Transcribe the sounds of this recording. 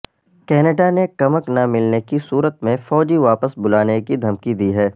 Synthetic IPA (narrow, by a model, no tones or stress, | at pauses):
kɛːnəɖanekɐməknamɪlnekisuːɾət̪mẽfɔːd͡ʒiʋaːpəsbʊlaːnekid̪ʱɐmkid̪iːɦɛː